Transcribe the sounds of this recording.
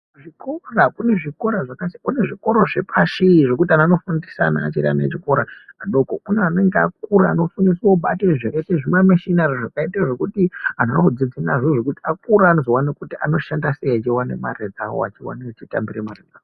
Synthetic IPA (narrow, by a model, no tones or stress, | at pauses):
ʐiko̞rakune̞ʐiko̞ɾaʐakasikune̞ʐiko̞ɾo̞ʐe̞pʰaʃiʐe̞kutianano̞fundisana̰ːt͡ʃiɾia̰naḛt͡ʃiko̞ɾaaɗo̞kouneane̞ŋɡeak̚uɾaːno̞funisoɓateʐeketeʐimameʃinareʐakaitaʐe̞kutiananod͡zid͡zinaʐoʐokutiakuɾaːno̞zo̞wanekutiʔa̰no̞ʃandasejat͡ʃiwanema̰red͡zawo̰a̰t͡ʃiwa̰net͡ʃita̰mbiremared͡zao